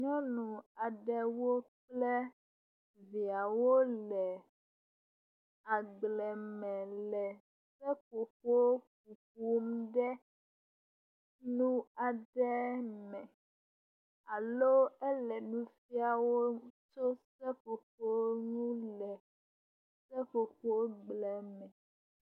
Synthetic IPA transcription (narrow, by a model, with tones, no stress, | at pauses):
ɲɔ̃˦nũ˨a˨ɖɛ˦wo˦k͡plɛ˦ | vi˨a˨wo˦lɛ˨ | a˨ɡ͡blɛ˨mɛ̃˨lɛ˨ | sɛ˦po˨ɸo˦k̚u˨k̚u˦mɖɛ˦ | nũ˦a˨ɖɛ˦mɛ̃˨ | a˨lo˦ɛ˦lɛ˨nũ˦fi˦a˨wo˦t͡ʃo˦sɛ˦ɸo˨ɸo˦nũ˦lɛ˨ | sɛ˦ɸo˨ɸo˦ɡ͡blɛ˨mɛ̃˨